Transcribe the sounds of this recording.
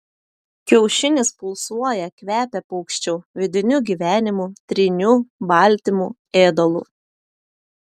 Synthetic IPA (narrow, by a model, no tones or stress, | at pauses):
kʲɛʊʃʲɪnʲɪspʊlˠsuɔjɛkʋʲæːpʲɛpɔʊkʃʲt͡ʃʲʊʋʲɪd̪ʲɪnʲʊɡʲiːʋʲæːnʲɪmut̪ʲɾʲinʲubɑˑlʲt̪ʲɪmu | eːd̪ɔlˠṵː